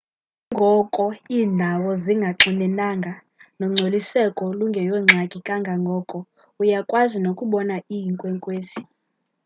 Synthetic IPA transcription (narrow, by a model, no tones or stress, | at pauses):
ŋɡʱɔkʼɔiːndʱawɔziŋɡʱaǁinɛnaŋɡʱa | nɔŋ͡ǀʱolisɛkʼɔluŋɡʱɛjwɛŋ͡ǁʱakʼikʼaŋɡʱaŋɡʱɔːkʼɔ | ujakʼwazinokʼuɓɔnaijiŋkʼwɛŋkʼweːzi